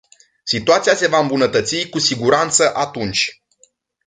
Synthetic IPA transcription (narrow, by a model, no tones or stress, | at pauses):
sit̪uat̪sijase̞vaɨmbunət̪ət̪sikusiɡuɾant̪səʔat̪unt͡ʃʲ